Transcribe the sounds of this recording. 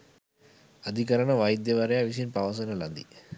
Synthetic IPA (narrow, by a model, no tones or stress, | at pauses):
ɐd̪ʱikɐɾɐɳɐʋɐjd̪jɐʋɐɾɐjaːʋis̬inpɐʋɐs̬ɐnɐlɐ̰nd̪ḭ